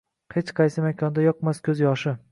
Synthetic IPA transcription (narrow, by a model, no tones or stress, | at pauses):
het͡ʃqʰɑjsɪmakʲʰɒnd̪ajɒq̚maskʲʰɵzjɒʃɪ